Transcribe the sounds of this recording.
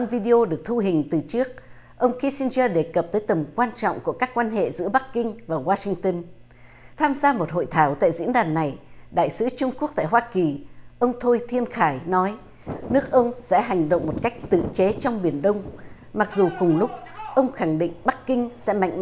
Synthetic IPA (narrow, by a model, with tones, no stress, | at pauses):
ə˧nvi˧ɗi˧ʔo˧ɗɨ˨˩ək̚t̪ʰu˧ɦï˨˩ŋ̟t̪ɨ˨˩t͡ɕɨ˦˥ək̚ | ʔə˧wŋ͡mxi˧˦si˧nzəː˧ɗe˧˩kə˨˩p̚t̪əː˨˦jt̪ə˨˩mkwaː˧nt͡ɕɔ̰˧˨wŋ͡mku˧˩əkaː˦˥kːwaː˧nɦḛ˧˨zɨ̰˧˥əɓa˦˥kːï˧ŋ̟vaː˨˩waː˧sï˧ŋ̟t̪ə˧n | t̪ʰaː˧mzaː˧mo˨˩t̚ho̰˧˨jt̪ʰaː˨˦wt̪a̰ː˧˨jzḭ˧˥ənɗaː˨˩nːa˨˩jɗa̰ː˧˨jsɨ˨˦t͡ɕʊ˧ŋ͡mku˦˥ək̚t̪aː˧˨jɦwaː˧ki˨˩ʔə˧wŋ͡mt̪ʰo˧jt̪ʰi˧ənxaː˧˩jnɔ˨˦j | nɨ˦˥ək̚ʔə˧wŋ͡msɛ̰˧˥ɦa˨˩jŋ̟ɗə̰˧˨wŋ͡mmo˨˩t̚ka˦˥jk̟̚t̪ɨ̰˧˨t͡ɕe˨˦t͡ɕɔ˧wŋ͡mɓi˨˧˩ənɗə˧wŋ͡m | ma˨˩k̚zu˨˩kʊ˨˩ŋ͡mlʊ˦˥k͡p̚ʔə˧wŋ͡mxa˨˩ŋɗḭ̈˧˨ŋ̟ɓa˦˥k̚ːï˧ŋ̟sɛ̰˧˥ma̰˧˨jŋ̟m˧